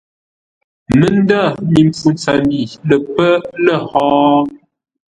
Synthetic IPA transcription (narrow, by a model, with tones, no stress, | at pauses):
mə˦˨n˦da˦˨mi˨p͡fu˨nt͡sa˨mbi˨lə˨pə˦lə˦˨hɔː˦